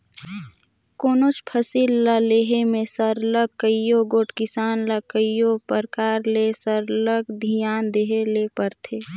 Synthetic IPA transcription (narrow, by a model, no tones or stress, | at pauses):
koːnoːt͡ʃpʰəsilːaleːɦemẽsəɾlək̚kːəjjoɡoːʈkɪsaːnləkəjopəɾkaːɾlesəɾləɡd̪ʱijaːnd̪eːɦelepəɾt̪ʰeː